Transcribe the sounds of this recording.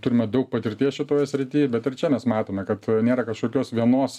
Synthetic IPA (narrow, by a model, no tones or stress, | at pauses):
t̪ʊɾʲɪmɛd̪ɐʊk̚pɐt̪ʲɪɾʲt̪ʲiɛsʃʲɪt̪oːjɛsʲɾʲɪt̪ʲiːɛbʲɛt̪ɪɾt͡ʃʲɛmʲɛsmɑːt̪oːmʲɛkɐt̪nʲeːɾɐkɐʃkoːkʲoːsʋʲiɛnoːs